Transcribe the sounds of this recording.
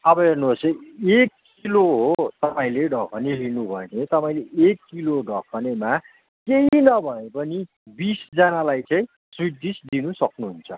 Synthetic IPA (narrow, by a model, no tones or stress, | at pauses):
ʌbʌɦernubʱosʌekːiloɦot̪ʌpaĩleɖʱʌkʰʌnelinubʱʌenʰet̪ʌpaĩleʔekːiloɖʱʌkʰʌnema | keɦinʌbʱʌepʌni | bisd͡zʌnalajt͡saĩ | swid̪isd̪inusʌknuɦunt͡sʰʌ